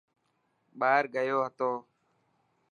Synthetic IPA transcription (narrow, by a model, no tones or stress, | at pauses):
ɓaːɾɡəjoːɦət̪oː